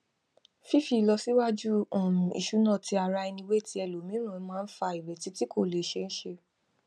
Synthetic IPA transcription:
fi˦fi˦˧˨lɔ˧si˦wa˦d͡ʒu˦ɔ̃˨ḭ˧ʃu˨˦nã˦˨ti˧˦a˨ɾa˧i˧nĩ˧˦we˦˨ti˦ɛ˧lo˨mĩ˦ɾ̃ã˦˨˦mãː˦˧n̩˦fa˧i˨ɾɛ˨ti˨˦ti˦ko˦˨le˨ʃe˧n̩˦ʃe˧

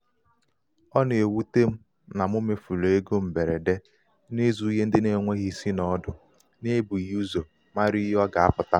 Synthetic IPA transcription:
ɔ˦n˨e˨wu˦te˦m̩˦ | na˨m˦o˦me˨fu˨lo˨e˦ɡo˦m̩˨be˨ɾe˨de˦ | ne˦zu˦ɦe˦n̩˦dɪ˦ne˦˨˦ŋʷe˦ɣi˦si˦nɔ˦dʊ˨ | ne˦bu˨ju˦zo˨ | ma˦ɾi˦jɔ˦ɡa˨a˦pʊ˨ta˦

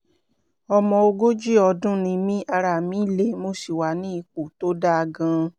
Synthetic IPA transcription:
ɔ˧mɔ̃˧o˧ɡo˦d͡ʒi˦ɔ˧dũ˦nĩ˧mĩ˦a˧ɾa˨mĩ˨˦le˦mo˧si˨wa˨˦nĩ˦i˧k͡po˨to˨˦da˦a˧ɡã˧

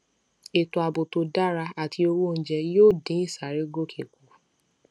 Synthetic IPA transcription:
e˨to˨a˨bo˨to˨˧da˦ɾa˧a˨tʰi˧o˧ɾu˦o˧n̩˨d͡ʒɛ˧joː˦˨dĩ˨˦i˦˨sa˨ɾe˦ɡo˦kʰe˨ku˨

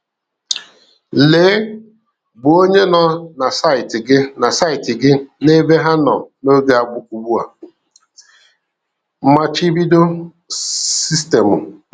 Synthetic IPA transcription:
leː˨˦ | bʊ˨o˦ɲe˦nɔ˨na˨sa˦ɪ˨tɪ˨ɡɪ˦na˨sa˦ɪ˨tɪ˨ɡɪ˦ne˦be˦ɦa˦nɔ̰˨no˦ɡe˨a˨ɡ͡bʊ˦kʷu˨ɡ͡bu˦a̰˨ | m̩˦ma˦t͡ʃi˦bi˦do˦ | si˦ste˨mʊ˨

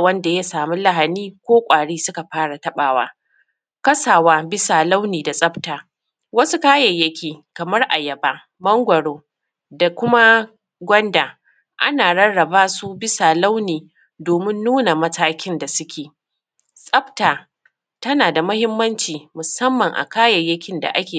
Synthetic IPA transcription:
wɐ˦nda˨ja˦saː˨mu˦la˨ɦa˨niː˦kʷoː˦kʷʼaː˨ɽiː˦sʊ˦ka˨ɸaː˦ɽa˨tɐ˦ɓaː˨wa̰ː˦ | kɐ˦saː˨waː˦bɪ˦saː˨la˦wniː˨da˨sʼɐ˦btaː˨ | wɐ˦su˦kaː˦jɐ˨jːɐ˦kʲiː˨kɐ˨mɐ˦rʔa˨jɐ˨baː˦ | mɐ˦ŋɡʷɐ˨ɽoː˦ | da˨kʷʊ˦ma˦ | ɡʷɔ˦ndaː˨ | ʔa̰˦naː˨ɽɐ˦nɽɐ˨baː˦su˦bɪ˦saː˨la˦wniː˨ | doː˨mɪ˦nːuː˦na˨mɐ˦tʰaː˦kʲɪ˦nda˨sʊ˦kʲʰeː˨ | sʼɐ˦btaː˨ | tɐ˦naː˨da˨mʊ˦hɪ˦mːɐ˦nt͡ʃiː˨mʊ˨sɐ˦mːɐ˨ŋʔa̰˨kaː˦jɐ˨jːɐ˦kʲɪ˦nda̰˨ʔa˦kʲeː˨

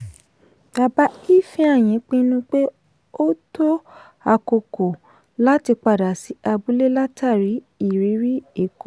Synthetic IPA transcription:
b̥a˨˧ba˦i˦fĩ˦a˦˨j̃ĩ˨˦k͡pĩ˧nũ˦k͡pe˦ | o˦to˦ | a˧ko˧ko˨ | la˦ti˧k͡pa˧˨da˨si˨˦a˧bu˦le˦la˦tʰa˦˨ɾi˨˦ | i˦˨ɾi˨˦ɾi˦e˦˨kɔ˨

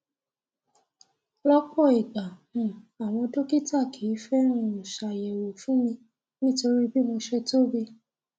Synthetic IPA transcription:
lɔ˦k͡pɔ˦˨i˨ɡ͡ba˨ũ˨a˨w̃ɔ̃˧to˦ki˦ta˦˨kʰi˨˦fɛ˦ɾ̃ũ˦˨ʃa˨jɛ˨wo˨fũ˨˦mĩ˧ | nĩ˦to˧ɾi˦bi˦mõ˧ʃe˧to˦˨be˧

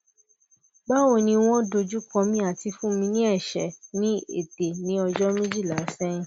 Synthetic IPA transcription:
ba˦wo˧˨nĩ˧w̃ɔ̃˦do˧d͡ʒu˦kɔ̃˧mĩ˧a˨ti˧fũ˦mĩ˧nĩ˦ɛ˦˨ʃɛ˨nĩ˦ḛ˦˨d̥e˨nĩ˨˦ɔ˧d͡ʒɔ˦mĩ˦d͡ʒi˦˨la˨˦sɛ̃˦˨

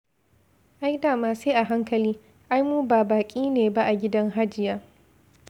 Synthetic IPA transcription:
ʔa˦jdaː˨maː˦˨seː˦ʔa˨ɦa˦ŋkɐ˨liː˦ | ʔa˦jmuː˦baː˨baː˨kʲʼiː˦neː˨ba˦ʔa˨ɡʲɪ˦dɐ˦ŋɦa˦d͡ʒɪ˨jaː˦

